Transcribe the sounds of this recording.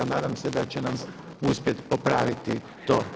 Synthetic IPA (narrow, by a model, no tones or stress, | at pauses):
naːd̪amsed̪at͡ɕenam | uspje̞t̪popɾaʋit̪i | t̪oː